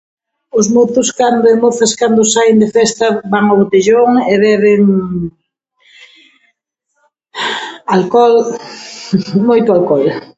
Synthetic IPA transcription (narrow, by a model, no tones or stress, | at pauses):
ʊzmoθʊskand̪ʊemoθɐskand̪ʊsajnd̪efɛst̪ɐbaŋoβot̪iʎoŋeβɛβɪŋ | alkɔl | mojt̪ʊalkɔl